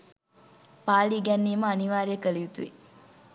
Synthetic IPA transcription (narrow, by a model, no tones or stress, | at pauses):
paːliːɡɛnːiːməɐniʋaːɾeːkəliut̪uʋi